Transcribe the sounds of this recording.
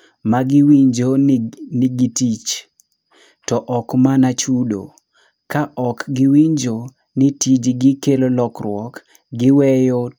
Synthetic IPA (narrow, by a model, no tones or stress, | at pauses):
maɡɪwiɲd͡ʒonɪɡitit͡ʃ | tɔʔɔkmanat͡ʃudo̰ | kaʔɔkɡɪwiɲd͡ʒo | nɪtid͡ʒɡɪkelolɔkɾwɔk | ɡɪwɛjo